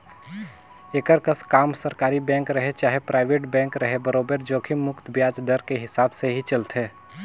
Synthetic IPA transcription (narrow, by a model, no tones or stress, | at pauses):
eːkəɾkəskaːmsɐɾkaːɾibɛ̃ːŋkɾɐɦet͡ʃaːɦepɾaːɪʋeːʈbɛ̃ːŋkɾɐɦebəɾoːbəɾd͡ʒoːkʰimʊkt̪ʰbjaːd͡ʒd̪əɾkeɦɪsaːbseɦit͡ʃɐlt̪ɦeː